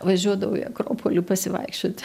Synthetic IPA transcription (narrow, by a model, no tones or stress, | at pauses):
ʋɐʒʲuɔd̪ɐʋoʊḭɐ̰kɾoːpʰoːlʲupɐsʲɪʋɐ̰ɪkʃʲt͡ʃʲot̪ʲ